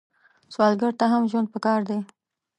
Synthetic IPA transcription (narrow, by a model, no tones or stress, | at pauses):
swɑlɡəɽt̪aɦamʒwand̪̚pəkɑɾd̪e